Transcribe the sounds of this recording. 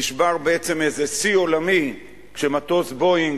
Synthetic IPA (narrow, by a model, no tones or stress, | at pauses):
iʃbaʁbeet͡se̞mezesio̞lami | kʃe̞mat̪o̞sbo̞iŋ